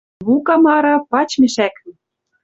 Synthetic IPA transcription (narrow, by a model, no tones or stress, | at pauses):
βukɑmɑɾɤ̆pɑt͡ɕmʲeʃækɘ̆